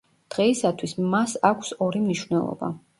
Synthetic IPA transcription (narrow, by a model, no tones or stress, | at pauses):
d̪̥ʁɛisat̪ʰwismasakʷʰsɔɾimniʃwnɛlˠɔ̰ba̰